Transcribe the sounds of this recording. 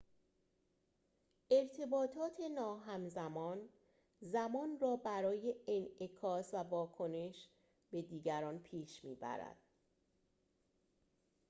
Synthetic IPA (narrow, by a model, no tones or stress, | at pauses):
ʔe̞ɾt̪ʰe̞bɒːt̪ʰɒːt̪ʰe̞nɒːɦæmzæmɒːn | zæmɒːnrɒːbæɾɒːje̞enekʰɒːsvævɒːkʰo̞ne̞ʃ | b̥e̞d̪iːɟæɾɒːnpʰiːʃmiːbæ̰ɾæ̰d̪̥